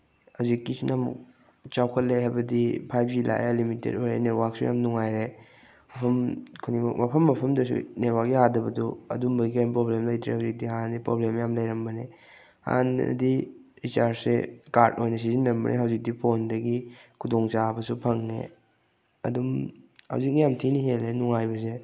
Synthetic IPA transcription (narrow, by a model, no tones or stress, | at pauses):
hawzikːisinɐmṵk̚ | t͡ʃawkʰɐt̚leɦajbɐdipʰajbd͡ʒilʔa̰jlimitḛdojɾḛneɾwaksuja̰mnuŋajɾe | mɐpʰɐmkʰunimɐ̰kmɐpʰɐmːɐpʰɐmdɐsṵneɾwaɡiɦadɐbɐduɐ̰dumbɐɡiajmpɾoblemlɐjtɾḛhawzik̚diɦandipɾoblemjamlɐjɾɐmbɐne | ha̰n̰diɾit͡ʃaɾsekaɾtojnɐs̬izinɾɐmbɐ̰nʔḛɦɐwzik̚dipʰondɐɡikʰudoŋt͡ʃabɐsupʰɐŋnḛ | ɐ̰dumhɐ̰wzik̚njamtʰiniɦelːenuŋajbɐse